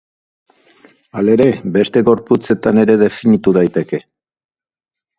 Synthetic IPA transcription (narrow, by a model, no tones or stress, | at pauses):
ale̞ɾe̞be̞st̪e̞ɣo̞ɾput͡se̞t̪ane̞ɾe̞ðe̞finit̪uðajt̪e̞ke̞